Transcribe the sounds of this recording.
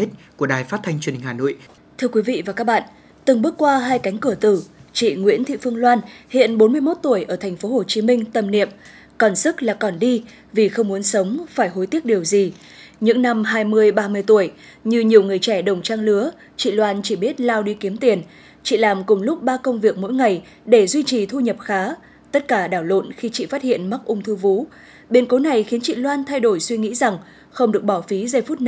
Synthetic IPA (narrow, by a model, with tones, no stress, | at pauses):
t̪e˦˥t̚ku˧˩əɗaː˨˩jfaː˦˥t̚t̪ʰa˧jŋt͡ɕwənhi˨˩ŋhaː˨˩no̰˧˨j | t̪ʰɨ˧əkwi˨˦vḭ˧˨vaː˨˩kaː˦˥k̚ɓa̰ː˧˨n | t̪ɨ˨˩ŋɓək̚kwaː˧ɦaː˧jka˨˦jŋ̟kɨ˧˩ət̪ɨ˧˩t͡ɕḭ˧˨ŋwḭ˧˥ənt̪ʰḭ˧˨fɨ˧əŋlwaː˧nhḭ˧˨ənɓo˨˦nmɨ˧əjmo˦˥t̚t̪u˧˩əjʔəː˧˩t̪ʰɛ˨˩jŋ̟fo˨˦ho˨˩t͡ɕi˨˦mï˧ŋ̟t̪ə˨˩mnḭ˧˨əm | kɔ˨˩nsɨ˦˥k̚laː˨˩kɔ˨˩nɗi˧ | vi˨˩xə˧wŋ͡mmu˨˦ənsə˨˦wŋ͡mfaː˧˩jɦo˨˦jt̪i˦˥ək̚ɗi˨˩əwzi˨˩ | ɲɨ̰˧˥ŋna˧mɦaː˧jmɨ˧əjɓaː˧mɨ˧əjt̪u˧˩əj | ɲɨ˧ɲi˨˩əwŋɨ˨˩əjt͡ɕɛ˧˩ɗə˨˩wŋ͡mt͡ɕaː˧ŋlɨ˨˦ə | t͡ɕḭ˧˨lwaː˧nt͡ɕi˧˩ɓi˦˥ət̚laː˧wɗi˧ki˨˦əmt̪i˨˩ən | t͡ɕḭ˧˨laː˨˩mkʊ˨˩ŋ͡mlʊ˦˥k͡p̚ɓaː˧kə˧wŋ͡mvi˨˩ək̚mo̰˧˥˦jŋa˨˩j | ɗe˧˩zwi˧t͡ɕi˨˩t̪ʰu˧ɲə˨˩p̚xaː˨˦ | t̪ə˦˥t̚kaː˧˩ɗaː˧˩wlo̰˧˨nxi˧t͡ɕḭ˧˨faː˦˥t̚hḭ˧˨ənma˦˥k̚ʔʊ˧ŋ͡mt̪ʰu˧vṵ˨˦˥ | ɓi˧ənko˨˦na˨˩jxi˨˦ənt͡ɕḭ˧˨lwaː˧nt̪ʰa˧jɗo˧˩jswi˧ŋḭ˧˥za˨˩ŋ | xə˧wŋ͡mɗɨ˨˩ək̚ɓɔ˧˩wfi˨˦zə˧˩jfu˦˥t̚n